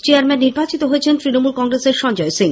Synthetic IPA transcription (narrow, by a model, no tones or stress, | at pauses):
t͡ɕeaɾmɛnːiɾbat͡ɕit̪oɦoet͡ɕʰent̪ɾinomulkɔŋɡɾeseɾʃɔnd͡ʑɔesiŋ